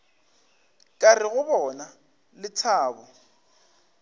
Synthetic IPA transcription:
kʼarɪɣʊbɔna | lɪt͡sʰaːbɔ

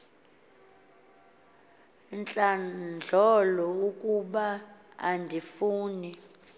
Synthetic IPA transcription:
nt͡ɬʼand͡ɮʱɔlɔukʼuɓaa̰ndʱifuːni

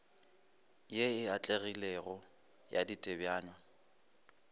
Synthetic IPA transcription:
jeɪat͡ɬʼeɣilɛɣɔ | ja̰ditʼebjaːɲwa

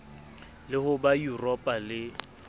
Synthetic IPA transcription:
lɪhʊbajurɔpʼalɪ

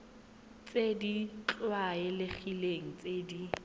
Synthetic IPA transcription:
t͡sʼedit͡ɬʼwaɪlɪχileŋ̩t͡sʼedi

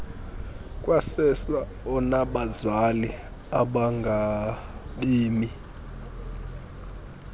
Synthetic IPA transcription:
kʼwasɛsa | ɔnaɓazali | a̰ɓaŋɡʱaɓiːmi

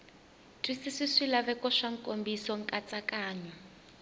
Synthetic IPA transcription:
tʼisisisilaβɛkɔʂaŋ̩kʼombisɔŋ̩kʼat͡sʼakaːɲɔ

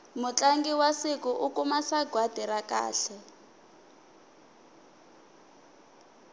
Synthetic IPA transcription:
mʊt͡ɬʼaŋɡiwasikuʔukumasaɡʱwad̥ʱiɾaka̰ːɬɛ

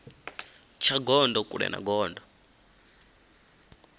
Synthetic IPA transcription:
t͡ʃʰaɡɔndɔkuɺɛ̰na̰ɡɔːndɔ

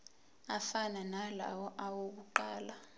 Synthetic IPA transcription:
afananala̰wɔʔawok̬uǃaːla

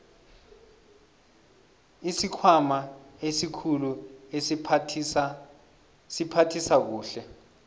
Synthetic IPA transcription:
isikʰwamaesikʰulue | sipʰatʰisak̬uːɬɛ

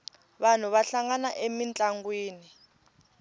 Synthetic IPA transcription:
βan̤uβaɬaŋanaʔemint͡ɬʼaŋɡwiːni

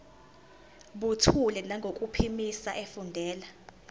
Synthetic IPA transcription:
ɓutʰulɛnaŋɡʱokʼupʰimisaʔefundʱɛːla

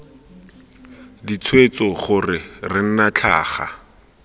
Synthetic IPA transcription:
dit͡sʰwet͡sɔχʊrɪrɪn̩nat͡ɬʰa̰ːχa̰

